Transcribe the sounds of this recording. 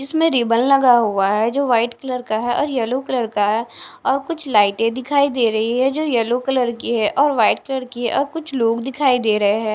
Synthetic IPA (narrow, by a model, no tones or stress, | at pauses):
d͡ʒɪsmẽɾɪːbəllɐɡaɦuaɦɛd͡ʒoːʋaːɪʈkələɾkaɦɛʔɔːɾjɛlokɐləɾkaɦɛɔːɾkʊt͡ʃʰlaːɪʈẽd̪ɪkʰaːid̪eːɾɐɦiɦɛd͡ʒoːjɛlokɐləɾkiɦɛʔɔːɾʋaːɪʈkɐləɾkiɦɛʔɔːɾkʊt͡ʃʰloːɡd̪ɪkʰaːid̪eːɾɐɦeɦɛ̃ː